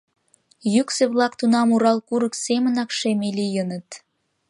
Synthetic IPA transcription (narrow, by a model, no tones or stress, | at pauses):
jykseβlɑkt̪unɑmuɾɑlkuɾəksemənɑkʃemelijənət̪